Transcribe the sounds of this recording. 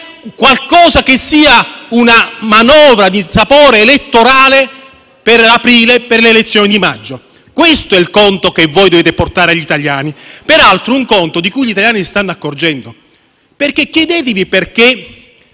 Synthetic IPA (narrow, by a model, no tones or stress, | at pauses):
kwalkɔːzak̟esːiːaunamanɔːvɾad̪isapɔːɾeːlet̪ːoɾaːle | perapɾiːleperleːlet̪sːjɔːnid̪imad͡ʒːo | kwest̪oɛilkont̪okevːɔːjd̪oveːt̪eport̪aːɾeaʎːit̪aʎjaːnipeɾalt̪ɾouŋkont̪od̪ikujʎit̪aljaːnisst̪anːoakːord͡ʒɛnd̪o | perkːekjɛd̪ɛːt̪̬ɪviperke